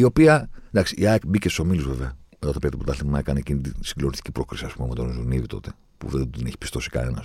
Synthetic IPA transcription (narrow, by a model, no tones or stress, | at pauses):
io̞piɐd̪ɐksiiɐkbicest̪usomiluzve̞veɐmeðɐt̪ɐpeɾet̪epot̪ɐlimɐekɐneecinit̪isiɡlo̞nist̪icipɾo̞kɾisiɐspumemet̪o̞nzunivit̪o̞̰t̪e̞̥ | pṵðed̪ineçi̥pist̪o̞si̥kɐ̰ne̞nɐ̰s